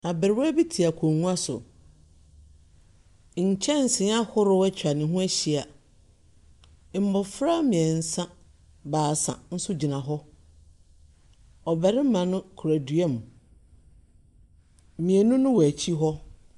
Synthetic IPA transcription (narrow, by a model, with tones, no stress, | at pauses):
na˨bɪ˨ɾɪ˦wæ˦bi˦tʰi˨a˨kʰõ˨ŋũ˦a˦sʊ̰˨ | ɲ̩˨t͡ɕʰɛ̃˦n̩˨sɪ̃˨˦a˦hʊ˦ɾʊ˦wɛ˦t͡ɕʰᶣa˨nɪ̃˨ɦʊ̃˦æ˦ɕi˨a˨ | m̩˦˨mbɔ˨fɾa˦mĩ˨ɛ˨n̩˨˦sã˦ | baː˨sã̰˨n̩˦sʊ˦d͡ʑi˨nã˨ɦɔ˦ | ɔ˨bɛ˨ɾɪ˦m˦mã˨nʊ̃˦kʰu˨ɾæ˨dɥɛ˦m˨ | mĩ˨ɛ˨nʊ̃˦nʊ̃˦wæ˨t͡ɕʰi˦ɦɔ˦